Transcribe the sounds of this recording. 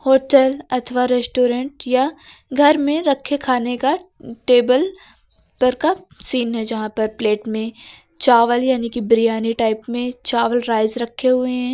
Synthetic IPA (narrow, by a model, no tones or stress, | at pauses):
hoːʈɛlɐt̪ʰʋaɾɛsʈoːɾɛ̃ɳʈjaɡʱɐɾmẽɾɐkʰːekʰaːnekaʈeːbəl | pɐɾkasiːnɦɛd͡ʒɐɦãpɐɾpleːʈmẽ | t͡ʃaːʋəljaːnikibɾijaːniʈaːɪpmẽt͡ʃaːʋəlɾaːɪzɾɐkʰːeɦʊeɦɛ̃ː